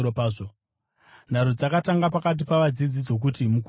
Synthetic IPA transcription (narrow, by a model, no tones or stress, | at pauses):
opaːʐo | n̤aɾud͡zakataŋɡapakat̬ipaʋad͡zid͡zit͡so̞k̬utimuk